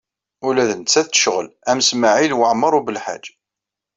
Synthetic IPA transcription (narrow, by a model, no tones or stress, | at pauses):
ʊlæðənt͡sːæθt̪ːə̥ʃʁəlæmsməʕilwəʕmːəɾˤubəlħa̰d͡ʒ